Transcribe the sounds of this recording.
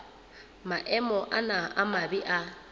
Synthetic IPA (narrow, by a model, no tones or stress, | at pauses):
maʔɛmɔʔanaʔamabiʔa